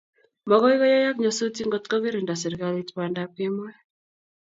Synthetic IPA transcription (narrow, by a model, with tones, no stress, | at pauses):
mɔ˨kɔ˦i˦kɔ˦ja˦ja˦kɲɔ˨so˦ti˦ŋɡo˨tkɔ˦ki˦ɾe˨nda˨sɛ˨ɾi˨ka˦li˦tpa˨nda˦pɪ˦mwɛ˦